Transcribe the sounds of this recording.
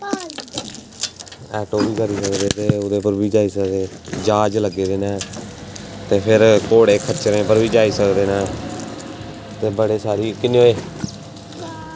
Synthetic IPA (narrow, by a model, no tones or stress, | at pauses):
ɛːʈoːbiːkəɾiːsəkd̪eːt̪eːʊd̪eːpəɾbiːd͡ʒaːiːsəkd̪eː | d͡ʒaːd͡ʒləɡːeːd̪eːnɛː | t̪eːpʰɪɾkoːɽeːkʰət͡ʃɾẽːpəɾʋiːd͡ʒaːiːsəkd̪eːnɛː | t̪eːbəɽeːsaːɾiːkɪneːoːeː